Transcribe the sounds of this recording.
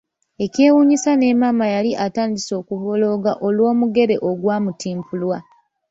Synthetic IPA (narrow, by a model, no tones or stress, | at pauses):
e̞cje̞ːwuɲisane̞maːmajaliʔataːndiso̞ːkuβo̞lo̞ːɡaʔolwo̞ːmuɡe̞ɾe̞ʔo̞ɡwaːmutiːmpulwa